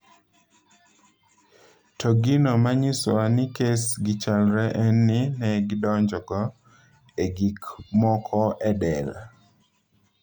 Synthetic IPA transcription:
tɔɡɪnɔmaɲɪswanɪkesɡɪt͡ʃalɾɛʔɛnːɪnɛɡɪdɔɲd͡ʒɔkɔ | eɡikmɔkʰɔʔɛdɛla̰

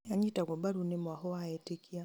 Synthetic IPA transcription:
jaɲitakɔbaɾunimwahɔaɛtikia

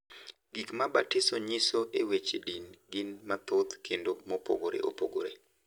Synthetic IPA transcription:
ɡikmabatɪsoɲɪsoʔewet͡ʃedinɡɪnmat̪ot̪kʰendomopo̰ɡoɾḛʔo̰poɡoɾe

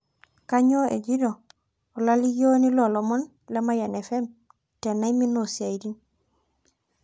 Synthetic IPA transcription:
kaɲoʔḛɟido | olalijonilolomon | lemajanefem | tenaiminosiaidin

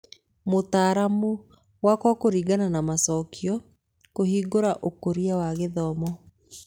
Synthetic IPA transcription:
motaːɾamu | wakwɔkoɾiːɡananamasɔkiɔ | kohiːɡoɾaʔokoɾiawaɣeðɔmɔ

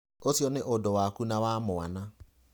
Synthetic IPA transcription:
osjɔnɪʔʊdɔwakunawamʊwa̰na

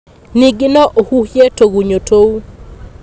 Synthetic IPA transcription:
niɡɪnɔʔohuhjetoɡuɲotʰou

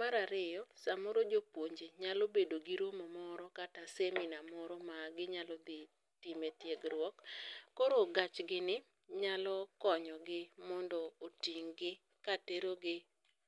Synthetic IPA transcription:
maɾaɾɪjɔsamɔɾɔd͡ʒopwoɲd͡ʒeɲalɔbedoɡɪɾomɔmɔɾɔkataseminamɔɾɔmaɡɪɲalɔd̪ɪ | tɪmetjeɡɾwɔkːɔɾoɡat͡ʃɡɪnɪ | ɲalɔkɔɲɔɡɪmɔndɔotiŋɡɪ | kateɾoɡɪ

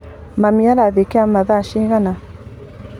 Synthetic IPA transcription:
mamiaɾaðekeamaðaʃeɣana

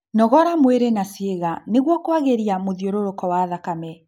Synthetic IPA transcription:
nɔɣɔɾamweɾenasieɣaneɣwɔkowaɣeɾiamoðioɾoɾokɔwaðakamɛ

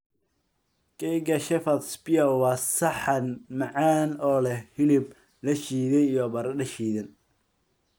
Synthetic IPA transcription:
kɛjɡɐʃɛfɐt̪spɪɐwɑːsɐħɐnmɐʕaːnɔːlɛhhɪlɪb̚ | lɐʃiːðɛjijɔbɐɾɖɐʃiːðɐn

